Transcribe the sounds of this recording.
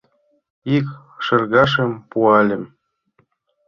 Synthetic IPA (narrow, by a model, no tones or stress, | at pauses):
ik | ʃɤ̆rɣɑʃə̆mpuɑlʲɘ̆m